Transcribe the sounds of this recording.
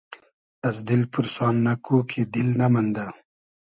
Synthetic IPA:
ɐsd̪ilpuɾsɑːnːɐkuːkʰed̪ilnɐmɐnd̪a

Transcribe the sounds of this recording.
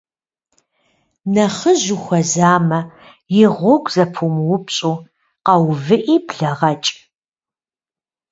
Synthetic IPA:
nɐχəʑʊxʷɐzaːmɐ | jɪʁʷʊɡʷʰʼzɐpʰumwʊpɕʼuː | qɐwvɨʔiːbɮɐʁɐt͡ʃʼ

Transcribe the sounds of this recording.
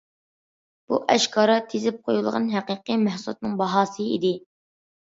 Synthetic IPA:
b̥uʔɛʃkʰɑːɾɑt̪ʰːezɪp̚qʰojulˠʁɑ̰nɦæqiːqəmæhsulˠt̪nɨŋbɑɦɑːsɨḭd̪ɪ

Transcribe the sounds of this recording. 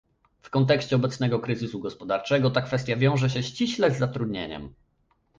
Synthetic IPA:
fkɔnt̪̬ɛkɕt͡ɕɛɔbɛt̪snɛɡɔkɾɘzɘsuɡɔspɔd̪aɾt͡ʂɛɡɔt̪akfɛst̪javʲjɔ̃w̃ʐɛɕ̬ɛɕt͡ɕiɕlɛzːat̪ɾud̪ɲḛɲɛ̰m

